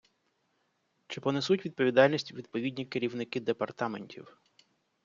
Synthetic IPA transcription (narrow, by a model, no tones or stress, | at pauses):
t͡ʃɪpɔnɛsutʲʋʲid̪̚pɔʋʲid̪ɑlʲnʲisʲtʲʋʲid̪̚pɔʋʲidʲnʲikeɾʲiwnɪkɪd̪epɐrt̪ɑmenʲtʲḭw